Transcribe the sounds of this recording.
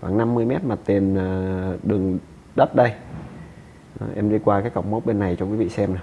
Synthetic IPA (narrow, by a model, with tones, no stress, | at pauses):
waː˧˩ŋna˧mːɨ˧əjmɛ˦˥t̚ma˨˩t̪e˨˩naː˨˩ɗɨ˨˩əŋ | ɗə˦˥t̚ɗə˧j | ə˨˦ʔɛ˧mzi˧kwaː˧kaː˨˦jka˧˩wŋ͡mmə˨˦wk͡p̚ɓe˧nːa˨˩jt͡ɕɔ˧ki˨˦vḭ˧˨sɛ˧mna˨˩